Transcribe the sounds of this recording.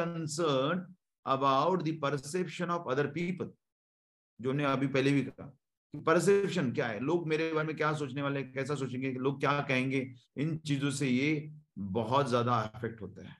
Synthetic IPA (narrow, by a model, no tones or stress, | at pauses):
kə̃nsəːɾnɖ | ɐbaʊʈd̪ipɐɾseːpʃənɔːfɐd̪əɾpiːpəl | d͡ʒoːnẽɐbʱipɛɦlebʱikɐɦa̰ | kipɐɾs̬epʃənkjaːɦɛ̰loːɡ̚meːɾebaːɾemẽkjaːs̬oːt͡ʃneʋaːleɛkɛːs̬asoːt͡ʃẽːŋɡeloːɡ̚kjakɛɦẽːŋɡeɪnt͡ʃiːzõsejebɐɦɔt̪zjaːd̪aɪfɛk̚ʈɦo̰ːt̪aɦɛ̰ː